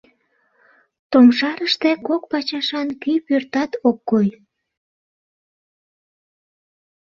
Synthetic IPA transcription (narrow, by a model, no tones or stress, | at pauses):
t̪omʃɑɾəʃt̪ekok̚pɑt͡ɕɑʃɑnkypørt̪ɑt̪okːoj